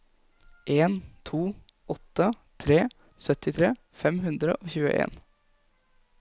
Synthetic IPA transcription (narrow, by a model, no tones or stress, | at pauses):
ʔeːnt̪ʰuː | ʔɔt̪ːə | t̪ʰɾeː | sœt̪ɪt̪ʰɾeː | fɛmɦʉnd̪ɾə̰ʔoːçʉːə̰ʔḛːn